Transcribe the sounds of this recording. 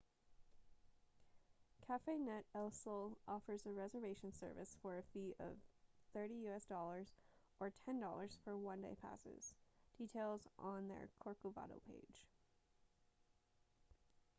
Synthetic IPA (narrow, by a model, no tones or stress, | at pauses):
kʰæfeɪnɛɾɛlˠsl̩ˠɔfə˞zɨɹɛzə˞veɪʃɨ̃n̩sɜ̰˞vɨ̰sfə˞ɨfiʔʌ̰v̥θɜ˞ɾijʉɛsd̥ɔlˠə˞z | ə˞tʰɛ̃ndɔ̰lˠə˞z̥fə˞wʌ̃ndḛɪpʰæ̰sɪ̰z̥d̥itʰeɪlˠzn̩ðə̰˞kʰɔɹkovɑ̰ɾo̰ʊpʰḛɪd̥ʒ̥